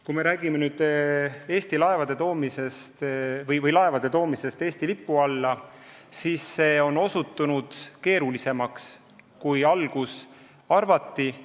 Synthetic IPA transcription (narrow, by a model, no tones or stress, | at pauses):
kume̞ɾæːɡ̥imenyːd̪̥e̞ːst̪ilɑe̞vɑd̪e̞t̪o̞ːmise̞st̪vɤjvɤjlɑe̞vɑd̪̥e̞t̪o̞ːmise̞st̪e̞ːst̪ilipːˑuɑlːɑ | siːsːe̞ːo̞no̞sut̪ːˑunud̪̥ke̞ːɾulise̞mɑks | kujɑlɡ̥us | ɑrvɑt̪ˑːi